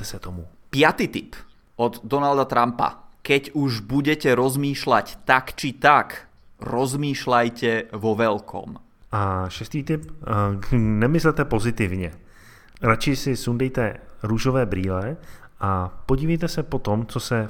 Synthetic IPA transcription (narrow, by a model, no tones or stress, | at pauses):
ɛsɛt̪omupɪat̪iːt̪ip | ɔd̪ːɔnald̪at̪ɾampa̰kɛɟuʒbuɟɛcɛɾɔzmiːʃla̰ct̪akt͡ʃit̪ak | ɾɔzmiːʃlajcɛʋɔʋɛlkʰɔ̰m | ʔaʃɛst̪iːt̪ɪp̚ | nɛmɪslɛt̪ɛpozɪt̪ɪvɲɛ | ɾat͡ʃɪsɪsund̪ɛjt̪ɛɾuʒovɛːbɾiːlɛʔapɔɟiːvɛjt̪ɛsɛpɔt̪ɔmt͡sɔsɛ